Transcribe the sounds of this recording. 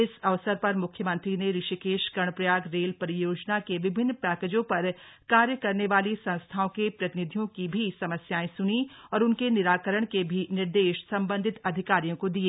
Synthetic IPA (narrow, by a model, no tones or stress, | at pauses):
ɪsɐʋsəɾpɐɾmʊkʰjəmɐ̃nt̪ɾineɾɪʃikeːʃɡɐɳ̃pɾɐjaːɡɾeːlpɐɾɪjoːd͡ʒnakeʋɪbʱɪnːpɛːkeːd͡ʒõpɐɾkaːɾjəkɐɾneʋaːlisɐ̃nst̪ʰaːõkepɾɐt̪ɪnɪd̪ʱijõkibʱisɐməsjaːẽsʊniɔːɾʊnkenɪɾaːkəɾəɽ̃kebʱinɪɾd̪eːʃsɐ̃mbə̃nd̪ʱɪt̪ɐd̪ʱɪkaːɾijõkod̪ieː